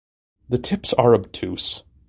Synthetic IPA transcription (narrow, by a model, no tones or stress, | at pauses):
ðɨtʰɪpsɑɹɨb̚tʰʉs